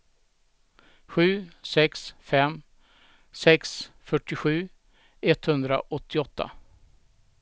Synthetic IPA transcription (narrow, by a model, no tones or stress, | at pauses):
ɧʉ̟ːsɛksfɛm | sɛksfœʈːɪɧʉ̟ː | ʔɛt̪ːhɵnd̪ɾa̰ʔɔt̪ʰːɪɔt̪ːa̰